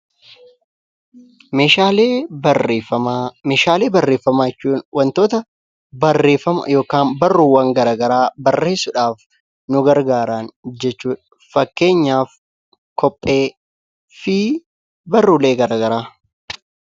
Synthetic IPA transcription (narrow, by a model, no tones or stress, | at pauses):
meːʃaːleːreɐameːʃaːleːbɐrːe̞ːfːɐmaːjɛt͡ʃːuːnwɐnt̪oːt̪ɐ | bɐrːe̞ːfɐmɐ̰jo̞ːkaːnbɐrːʊːwɐŋɡɐɾaːɡɐɾaːbɐrːe̞ːsʊᶑaːf | nʊɡɐɾɡaːɾaːnd͡ʒɛt͡ʃːuːᶑɐ | fɐkːe̞ːɲːaːf | kɔpʼːe̞ː | fɪ | bɐrːʊle̞ːɡɐɾaːɡɐɾaː